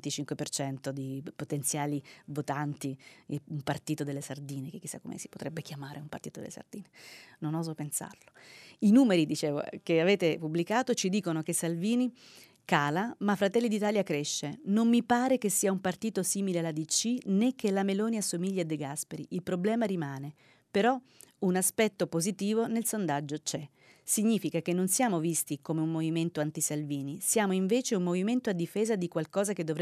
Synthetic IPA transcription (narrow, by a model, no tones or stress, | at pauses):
ent̪it͡ʃiŋkwepert͡ʃɛnt̪od̪ipot̪ent̪sjaːlivot̪ant̪iumpart̪iːt̪od̪elːesard̪iːnekekːisːa̰kːo̰mḛsi̥pot̪ɾɛbːek̟jamaːɾʔeumpart̪iːt̪od̪ḛlesa̰rd̪iːnenonɔːzopensa̰rloinuːmeɾid̪it͡ʃeːvo̰keaveːt̪epublikaːt̪ot͡ʃid̪iːkonokesalviːni | kaːlamafːɾat̪ɛlːid̪it̪aːljakɾeʃːenomːipaːɾek̟esːiːaumpart̪iːt̪osiːmilealad̪it͡ʃinek̟ːelamelɔːniasomiʎːiad̪eɡaspeɾiʔilpɾoblɛːmaɾimaːne | peɾɔ | unaspɛt̪ːopozit̪iːvonelsond̪ad͡ʒːot͡ʃɛ | siɲːiːfikakenːonsjaːmovist̪ikomeumːoviment̪oant̪isalviːnisjaːmoiɱveːt͡ʃeumːoviment̪oad̪ːifeːzad̪ikwalkɔːzaked̪ːovɾ